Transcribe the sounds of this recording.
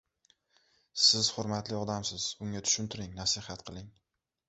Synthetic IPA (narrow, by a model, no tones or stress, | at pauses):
sɪz̥hʊɾmat̪lɪɒd̪amsɪz̥ʊŋʲat̪ʰʊ̥ʃʊnt̪ʰɪɾɪŋnasɪhat̪̚qʰɨlˠɪŋ